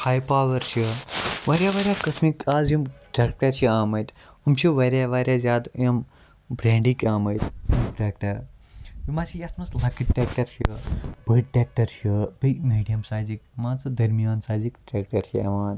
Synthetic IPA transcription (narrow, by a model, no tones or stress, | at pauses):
haːjpaːʋɐɾʃiʋɐːɾʲjaʋaːɾʲjakɐsmikaːzjimʈɾeːk̚ʈɐɾʃiaːmɐjt̪umt͡ʃʰiʋɐɾʲjaːʋaːɾʲjaːzʲaːd̪jɐm | bɾẽːɳɖikaːmɐjt̪umʈɾeːk̚ʈɐɾʋimaːsijasmɐslɐkiʈ̚ʈːʲeːk̚ʈɐɾʃibəʈʈʲeːk̚ʈɐɾʃəbɐmiːɖijɐmsaːzikmaːnt͡sɨd̪ɐɾmijaːnsaːzikʈɾeːkʈɐɾʃʰiɐ̰ʋaːn